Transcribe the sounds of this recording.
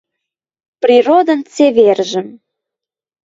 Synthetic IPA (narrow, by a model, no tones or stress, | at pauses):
prʲiɾod̪ə̆nt͡seβerʒə̆m